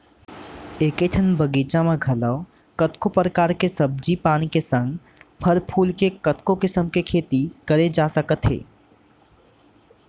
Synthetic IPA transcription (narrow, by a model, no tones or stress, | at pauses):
eːkeʈ̪ʰənbʱəɡiːt͡ʃamẽɡʱɐləː | kət̪kopɾəkaːɾkesəb̚d͡ʒipaːnikesə̃ŋɡ | pʰəɾpʰuːlkekət̪kõkɪsəmkekʰeːt̪ikəɾed͡ʒaːsəkət̪ɦḛː